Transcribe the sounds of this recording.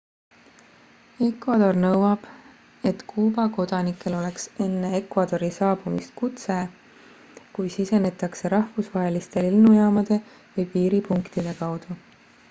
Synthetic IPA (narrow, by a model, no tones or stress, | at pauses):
e̞kvɑd̪̥o̞rnɤwɑb̥ | e̞t̪kʰuːbɑko̞d̪̥ɑnikːˑe̞lo̞le̞kse̞nːee̞kvɑd̪o̞ɾisɑːb̥umḭst̪̚kut̪se̞ | kujsise̞ne̞t̪ːˑɑkse̞ɾɑhfusvɑɦe̞list̪e̞lilnujɑːmɑd̪̥e̞ | vɯjpiːɾipuŋkt̪id̪̥e̞kɑwd̪̥u